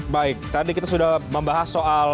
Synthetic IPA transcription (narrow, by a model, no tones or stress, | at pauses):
baɪk̚t̪adikit̪asudahməmbaɦasːoʔal